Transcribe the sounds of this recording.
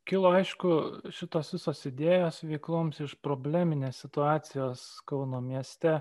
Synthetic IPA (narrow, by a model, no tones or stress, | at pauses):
kʲɪlˠoːɐɪʃkʊʃʲɪt̪oːsʋʲɪsoːsɪd̪ʲeːjoːsʋʲɛɪklˠoːmsɪʃpɾoːbʲlʲæːmʲɪnʲeːsʲsʲɪt̪ʊɑːt̪sʲɪjoːskɐʊnoːmʲiɛsʲt̪ʲɛ